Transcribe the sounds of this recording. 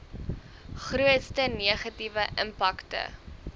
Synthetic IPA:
χruətstəniəχɐtivəʔəmpɐktə̰

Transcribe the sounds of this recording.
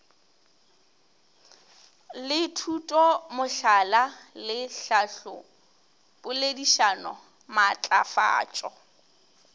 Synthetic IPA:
lɪtʰutʼɔmʊɬalalɪɬaɬʊ | bʊlediʃanɔ | mat͡ɬʼa̰fa̰ːt͡ʃʼɔ

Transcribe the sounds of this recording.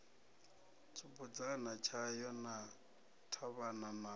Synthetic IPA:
t͡sʰʼʊpʼʊt͡sʼanat͡ʃʰajɔna | tʰaβanana

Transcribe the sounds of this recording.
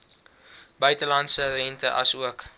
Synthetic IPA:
bœɥtəlɐntsərɛntəʔɐsuək

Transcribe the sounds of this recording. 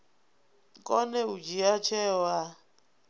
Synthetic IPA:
kʼɔnɛud͡ʒiat͡ʃʰɛwa

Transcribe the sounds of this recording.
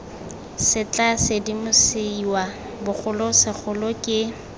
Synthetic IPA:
sɪt͡ɬʼasɪdimʊsiwa | bʊk͡xʰʊlʊsɪk͡xʰʊlʊkʼɪ

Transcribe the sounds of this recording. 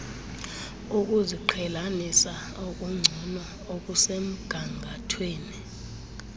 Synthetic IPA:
uk̬ʼuziǃʰɛlanisa | ok̬ʼuŋ͡ǀʱunɔ | okʼusem̩ɡ̥ʱaŋʱatʰweːni

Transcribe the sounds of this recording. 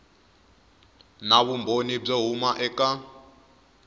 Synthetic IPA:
naβumbʱonib͡ʐeɦumaʔɛka

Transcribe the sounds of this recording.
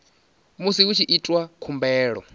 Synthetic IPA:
musiut͡ʃʰiʔitʼwakʰumbɛːɺɔ̰

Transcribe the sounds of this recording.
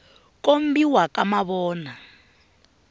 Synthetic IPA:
kʼombiwakʼamaβɔːna

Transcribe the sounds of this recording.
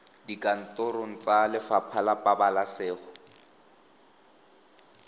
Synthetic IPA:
dikʼan̩tʊɾʊŋ̩t͡salɪfapʰalapʼabalasɪːχʊ

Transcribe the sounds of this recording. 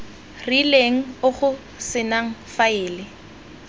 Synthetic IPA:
rileŋ̩ʊχʊ | sɪnaŋ̩faɪːlɪ

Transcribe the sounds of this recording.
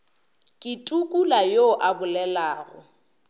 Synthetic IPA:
kʼɪtʼukʼulajoʔabʊlɛlaːɣʊ̰

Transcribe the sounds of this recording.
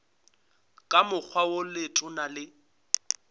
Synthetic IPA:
kʼamʊk͡xʰwawʊlɪtʼʊnalɪ

